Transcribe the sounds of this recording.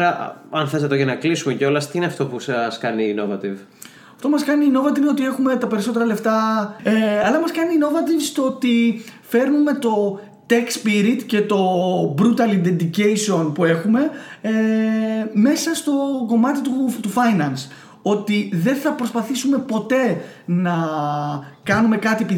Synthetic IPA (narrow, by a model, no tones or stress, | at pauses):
ɾɐɐnθesɐt̪oenɐklisumeceo̞lɐst̪iineɐft̪o̞pusɐskɐniːno̞̰vɐt̪ḭv | ɐft̪opumɐskɐniːno̞vɐt̪ivno̞t̪ie̞xume̞t̪ɐpe̞ɾiso̞t̪e̞ɾɐle̞ft̪ɐeɐlɐmɐskɐniːno̞vɐt̪ivst̪oot̪ife̞ɾnume̞t̪o̞ | t̪ekspiɾit̪ce̞t̪o̞bɾut̪ɐlind̪end̪ice̞jsio̞npue̞xume̞ | me̞sɐst̪o̞ko̞mɐt̪it̪ut̪ufɐjnɐns | o̞t̪iðe̞nθɐpɾo̞spɐθisume̞po̞t̪e̞ | nɐ | kɐnume̞kɐt̪iepi